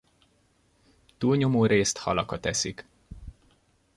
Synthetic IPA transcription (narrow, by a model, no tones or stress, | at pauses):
t̪uːlɲo̞moːɾeːst̪hɒ̰lɒkɒt̪ɛsik